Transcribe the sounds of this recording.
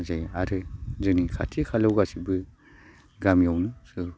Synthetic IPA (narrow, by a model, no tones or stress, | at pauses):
zajaɾɯzɯnikʰa̰tʰikʰalawɡasibɯ | ɡamjawnɯsu